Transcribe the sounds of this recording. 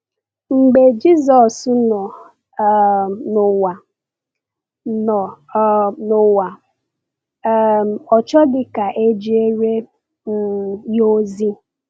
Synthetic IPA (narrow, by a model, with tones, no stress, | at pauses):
ŋ͡m̩˨ɡ͡be˨d͡ʒi˦zɔ˨snɔ˨ | nʊ˨wa˨ | nɔ˨˦ | nʊ˨wa˨˦˨ | ɔ˨t͡ʃɔ˦dɪ˦ka˨ʔe˦d͡ʒi˦e˦ɾe˦˨ | jo˦zi˦